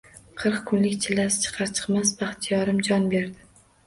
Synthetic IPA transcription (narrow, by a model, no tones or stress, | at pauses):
qʰɨɾqkʰʊnlɪkʲt͡ʃʰɪlːasɪ̥t͡ʃʰɨ̥qʰɑɾt͡ʃʰɨ̥qmasbɑχt̪ʰɪjɒɾɪmd͡ʒɒnbe̞ɾd̪ɪ